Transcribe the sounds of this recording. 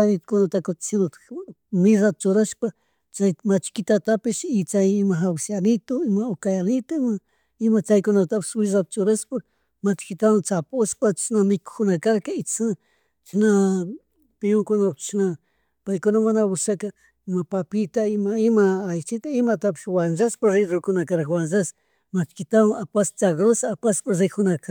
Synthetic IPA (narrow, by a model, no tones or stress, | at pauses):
aɾɪt̪kʊnat̪akot̪sinot̪mɪzat̪̚t͡ʃʊɾaʃpa | t͡ʃajmat͡ʃkɪt̪at̪apɪʃɪt͡ʃajɪmaɦawsjanɪt̪oɪmaokajanɪt̪ama | ɪmat͡ʃajkʊnat̪apɪ̥swɪzat̪̚t͡ʃʊɾaspa | mat͡ʃkɪt̪anat͡sapʊspat͡ʃsnamɪkʊ̥kʊnakaɾkaɪt͡ssna | t͡ʃna | pɪjoŋkʊnapt͡ʃna | pajkʊnamanabʊsaka | ɪmapapɪt̪aɪmaɪmaːjt͡ʃɪt̪aɪmat̪apɪ̥swand͡ʒaspaɾɾɪɾʊɾkʊnakaɾaxwanzas | mat͡ʃkɪt̪awapast͡ʃaɡɾosapaspaɾzɪkʊnaka